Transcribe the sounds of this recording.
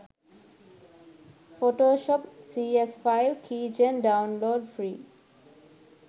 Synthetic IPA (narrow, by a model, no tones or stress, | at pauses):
foːʈoːʃɔpsiesfaɪʋkʰiːd͡ʒə̃nɖãʊ̃nloːɖfɾiː